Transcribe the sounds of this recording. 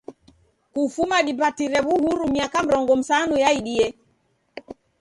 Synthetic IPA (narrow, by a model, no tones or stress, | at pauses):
kufumaɗipatiɾɛβuhuɾumiakam̩ɾɔŋɡɔm̩sanujaiɗiɛ